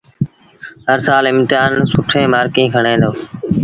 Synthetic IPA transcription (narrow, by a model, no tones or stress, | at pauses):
ɦəɾsaːlɪmt̪aːnsʊʈʰẽːmaːɾkĩːkʰəɳẽːnd̪oː